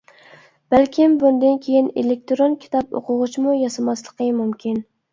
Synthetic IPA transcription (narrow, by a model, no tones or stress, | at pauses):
b̥ælkʲʰɪmbund̪ɨnkʲʰejinelek̚ʲt̪ɾonkʲʰi̥t̪ʰɑpo̰qʰʊʁʊt͡ʃmujɑsɑmɑslˠəqʰəmumkʲin